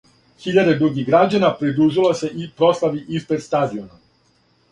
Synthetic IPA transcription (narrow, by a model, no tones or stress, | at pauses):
xiʎad̪e̞d̪ɾuɡiɣɡɾad͡ʑanapɾid̪ɾuʒilose̞ʔipɾo̞slˠaʋiʔispɾe̞d̪st̪aːd̪io̞na